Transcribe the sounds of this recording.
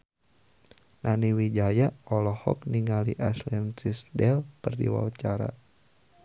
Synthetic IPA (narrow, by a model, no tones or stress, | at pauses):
nʔaniwid͡ʒajaɔlɔhɔ̰k̚niŋaliʔaslɛnsisdɛlkɨrdḭwa̰at͡ʃaɾa̰